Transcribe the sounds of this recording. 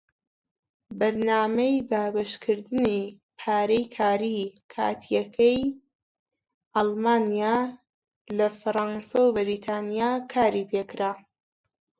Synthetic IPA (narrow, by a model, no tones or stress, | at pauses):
bɐɾnaːmɐjd̪aːbɐʃkʰɨɾd̪ɨni | pʰaːɾejkʰaːɾikʰa̰ːt̪ʰijɐkʰɐj | ʔɑlˠmaːnija | lɐfɨɾˤɑnsawbɨɾiːt̪ʰaːnijaːkʰaːɾipʰekɨɾaː